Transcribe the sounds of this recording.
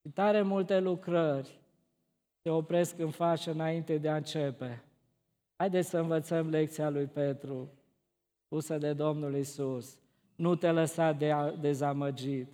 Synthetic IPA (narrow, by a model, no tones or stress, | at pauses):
ʃit̪aɾemult̪e̞lukɾərʲ | seo̞pɾe̞skɨnfaʃəɨnaint̪e̞d̪eaɨnt͡ʃepe | hajd̪esʲsəɨnvət̪səmlek̚t̪sialujpe̞t̪ɾu | spusəd̪e̞d̪o̞mnulisus | nut̪e̞ləsat̪̚d̪ed̪e̞zaməd͡ʒit̪